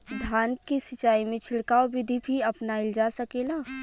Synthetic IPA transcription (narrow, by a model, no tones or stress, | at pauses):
d̪ʱaːnp̚kisɪt͡ʃaːimẽt͡ʃʰɪɽkaːobɪd̪ʱibʱiɐpnaɪld͡ʒasɐkelaː